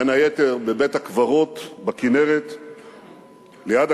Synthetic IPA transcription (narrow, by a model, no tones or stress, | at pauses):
najeteʁbebethakvaʁo̞t̪bakineʁet̪ | lejad̪a